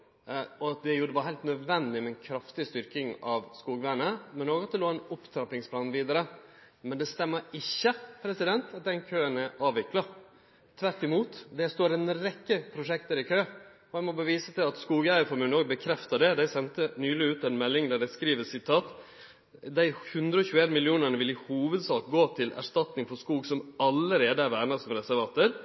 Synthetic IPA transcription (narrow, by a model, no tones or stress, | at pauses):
ɔɑt̪̚d̪ɛjuːd̪ɛʋɑɾɦæɪlt̪nœd̪ʋɛnd̪ɪmɛnkʰɾɑft̪ɪst̪ʏɾkɪŋɑʋskuːɡəʋæːɳəmɛnoːɡɑt̪̚d̪ɛloːɛnʊpt̪ʰɾɑp̪ɪŋspʰlɑːnʋiːd̪əɾə | mɛnd̪ɛst̪ɛmːəɾɪçːəpʰɾɛsɪd̪ɛnt̪ɑt̪̚d̪ɛnkʰøːənɛʔɑːʋɪklɑ | t̪ʰːʋæɾʈɪmuːt̪d̪ɛst̪oːɾɛnɾɛkːəpʰɾʊʂɛkt̪əɾɪkʰøːɔæɪmɔbəʋiːsət̪ɪlɑt̪skuːɡəæɪəfɔɾmʉːnoːɡbəkʰɾɛft̪ɑɖɛd̪æɪsɛnt̪ənyːlɪʉːt̪æɪnmɛlːɪŋd̪ɑɖɛskɾiːʋəsɪt̪ʰɑːt̪ | d̪æɪhʉnd̪ɾəɔçʉːəeːnmɪlɪuːnəɳəʋɪlɪhuːʋəd̪sɑːkɡoːt̪ʰɪlʔæ̰ʂt̪ɑt̪nɪŋfɔʂkuːɡsɔmɑləɾeːd̪əæɾʋæːɾnɑsɔmɾɛsæɾʋɑːt̪əɾ